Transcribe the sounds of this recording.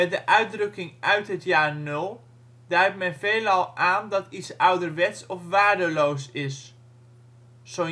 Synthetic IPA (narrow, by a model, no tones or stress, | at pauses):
mɛdəʔœɥt̚drɵkɪŋʔœɥtɦətjaːɹnɵlˠ | dɛjp̚mɛnveːlɑlˠʔaːndɔtitsʌwdərʋɛtsɔfʋaːɹdəlowsɪs | so